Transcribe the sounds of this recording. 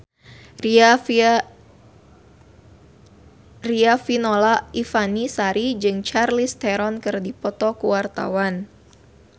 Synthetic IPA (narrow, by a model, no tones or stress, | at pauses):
riafinolaʔifanisaɾid͡ʒɨŋt͡ʃarlist̪ɛɾɔnkɨrdipɔt̪ɔkuwart̪a̰wan